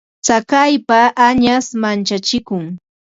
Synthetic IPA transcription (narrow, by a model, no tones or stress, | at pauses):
t͡sakajpaʔːɲasmant͡ʃat͡ʃɪkʊŋ